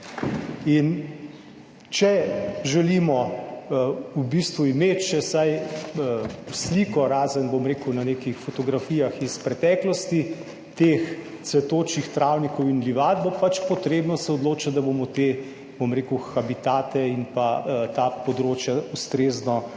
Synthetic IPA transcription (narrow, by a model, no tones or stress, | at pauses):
in | t͡ʃɛʒɛlimɔ | ubist̪ʋuimeːt̪t͡ʃɛsaj | sliːkɔɾaːzənbomɾeːkəwnaneːkixfɔt̪ɔɡɾafiːjaxispɾɛt̪ɛːklɔst̪i | t̪ex | t̪sʋɛt̪oːt͡ʃixt̪ɾawnikɔwinliʋaːd̪̚bopat͡ʃpɔt̪ɾeːbnɔsɛɔd̪loːt͡ʃat̪d̪abomɔt̪eː | bomɾeːkəwxabit̪aːt̪ɛinpat̪apɔd̪ɾoːt͡ʃjaust̪ɾeːznɔ